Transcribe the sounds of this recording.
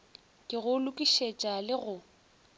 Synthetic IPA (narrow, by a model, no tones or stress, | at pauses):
kʼɪɣʊlʊkʼiʃet͡ʃʼalɪɣʊ